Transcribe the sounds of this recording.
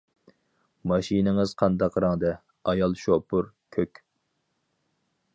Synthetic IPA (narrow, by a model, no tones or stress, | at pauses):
mɑʃinɪŋɨz̥qʰɑnd̪ɑqːɾɑŋd̪ɛ | ɑjɑlˠʃopʰʊɾ | kʲʰøkʲ